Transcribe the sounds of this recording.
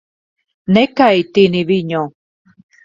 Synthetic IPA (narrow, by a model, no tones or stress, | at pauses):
nekajt̪iniβiɲo